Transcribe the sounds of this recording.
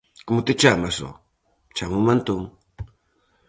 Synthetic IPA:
kmʊt̪ɪt͡ʃamaso̰ | t͡ʃamumant̪ʊŋ

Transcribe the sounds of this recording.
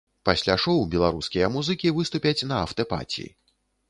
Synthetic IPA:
pasʲlʲaʂɔwbʲɛlˠaɾuskʲijɐmuzɨkʲivɨst̪upʲɐt͡sʲnɐɐwt̪ɐpa̰t͡sʲḭḭ

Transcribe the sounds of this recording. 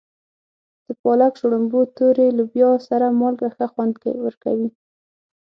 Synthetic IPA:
d̪̥əpɑlakʃoɽʊmbot̪oɾelubjɑsaɾamɑlɡaxəxwand̪kḛwəɾka̰wi

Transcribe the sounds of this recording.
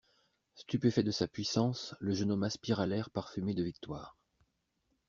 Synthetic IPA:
st̪ypefɛd̪əsapɥisɑ̃sləʒənɔmaspiʁalɛʁpaʁfymed̪əvik̚t̪waːʁ

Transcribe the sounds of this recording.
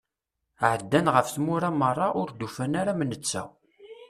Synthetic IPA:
ʕəd̪ːænʁəfθmʊɾamərˤːɑʔʊɾd̪ufænaɾamənət͡sːæ̰w

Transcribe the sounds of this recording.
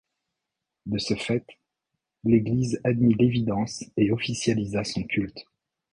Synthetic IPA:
d̪əsəfɛt̪ | leɡlizad̪milevid̪ɑ̃seɔfisjalizasɔ̃kʲylt̪

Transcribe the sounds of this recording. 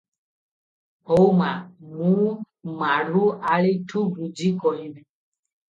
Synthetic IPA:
ɔumamũ | maɾuʔalitʰuɡud͡ʒikɔinɛ

